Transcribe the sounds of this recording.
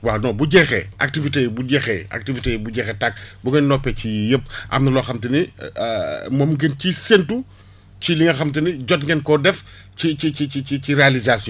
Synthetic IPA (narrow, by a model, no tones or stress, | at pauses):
waːnɔbuɟɛxɛ̰ʔa̰k̚tivitebuɟɛxɛa̰k̚tivitebuɟɛxɛtak̚buɡɐnnɔpːɛcijəp̚ːʔɐ̰mnɐlɔːxɐmtɐnḭ | momɡencisentu | ciliŋɐxɐmt̬ɐniɟɔt̚ŋɡɛnkɔdɛf | cicicit͡ʃit͡ʃiciɾealizasjɔ̃